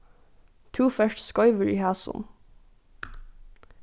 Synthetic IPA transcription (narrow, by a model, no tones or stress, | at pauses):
t̪ʰuːfœʃʈskɔʏʋəɹiːhæːsɔ̰n